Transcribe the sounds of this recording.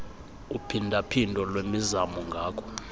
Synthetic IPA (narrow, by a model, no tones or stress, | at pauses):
upʰindʱapʰindʱɔlwemizamuŋɡʱaːkʰɔ̥